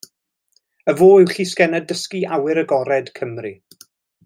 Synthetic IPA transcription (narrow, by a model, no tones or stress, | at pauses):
əvoːɪwɬiːskɛnədəskiʔawɪɾəɡɔɾɛd̥kʰəmri